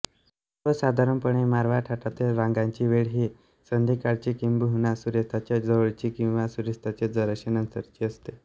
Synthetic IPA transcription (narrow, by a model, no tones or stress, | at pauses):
t̪əsad̪ʱaɾəmpəɳemaɾʋaʈʰaʈat̪elɾaŋɡaɲt͡ɕiːʋeɭɦiː | sənd̪ʱikaɽt͡ɕiːkimbuɦunasuɾest̪ʰat͡ɕjad͡zəʋəɭt͡ɕiːkĩw̃ʋasuɾist̪ʰat͡ɕed͡zəɾəɕenənsəɾt͡ɕiːəst̪e